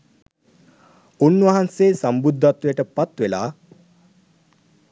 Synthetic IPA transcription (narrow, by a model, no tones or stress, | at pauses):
unːʋɐɦanseːsambud̪ʱːat̪ʋujəʈəpat̪ʋelaː